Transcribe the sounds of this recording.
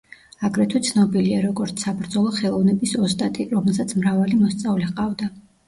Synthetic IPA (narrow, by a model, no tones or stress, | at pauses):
aɡɾɛt̪ʰɔt̪sʰnɔbiliaɾɔɡɔɾt̪sʰsabɾd̪zɔlˠɔχɛlˠɔvnɛbisɔst̪ʼat̪ʼiɾɔmɛlˠsat̪sʰmɾavalimɔst̪sʼavlɛqʼavd̪a